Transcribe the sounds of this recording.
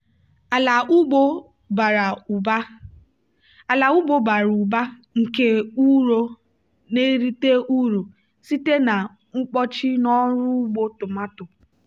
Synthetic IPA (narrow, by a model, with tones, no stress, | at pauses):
a˨la˨u˦ɡ͡bo˦ | ba˨ɾa˨u˨ba˦ | a˨la˨u˦ɡ͡bo˦ba˨ɾu˨ba˦ | ŋ̩˨ke˦u˦ɾo˦ | ne˦ɾi˦te˦ʔu˦ɾo˨ | si˦te˦na˨ | ŋ̩˦k͡pɔ˦t͡ʃɪ˦nɔ˦ɾʊ˦ɡ͡bo˦tʊ˨ma˦tʊ˨